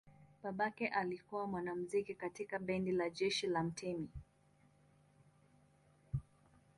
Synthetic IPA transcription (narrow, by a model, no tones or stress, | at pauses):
ɓaɓakɛʔalikuwamwanam̩zikikatikaɓɛndilaʄɛʃilam̩tʰɛmi